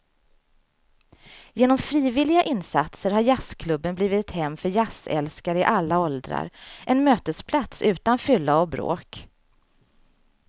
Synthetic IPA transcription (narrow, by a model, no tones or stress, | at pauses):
jeːnɔmfɾiːvɪlɪɡaʔɪnːsa̰t̪səɾhaɾjaskʰlɵbːənbliːvɪt̪ɛt̪hɛmːfœɾjasɛ̰lskaɾəɪʔalːaɔld̪ɾa̰ɾʔɛnmøːt̪əspʰlat̪sʉ̟ːt̪anfʏlːaɔbɾo̰ːk